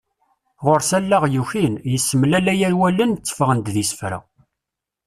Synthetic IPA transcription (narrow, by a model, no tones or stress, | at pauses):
ʁʊɾsælːaʁjuçinjəsːəmlælæjæɾwælənt͡sːə̥fəʁənd̪ðisə̥fɾæ̰